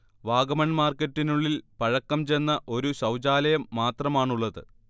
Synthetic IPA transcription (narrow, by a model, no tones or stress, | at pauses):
ʋaːɡɐmɐnmaːrkːɐtːinuɭːilpɐɻɐkːɐmt͡ɕe̞nːɐʔo̞ɾuɕɐwd͡ʑaːlɐjɐmːaːt̪rɐmaːɳuɭːɐðɨ